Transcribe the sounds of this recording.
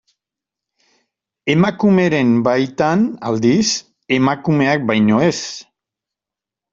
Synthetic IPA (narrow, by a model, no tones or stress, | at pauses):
e̞makume̞ɾe̞mbajt̪ana̰ld̪is | e̞makume̞ak̚bajɲoe̞s